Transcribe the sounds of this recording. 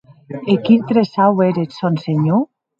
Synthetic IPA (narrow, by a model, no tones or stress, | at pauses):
ekint̪ɾesaweɾesonseɲu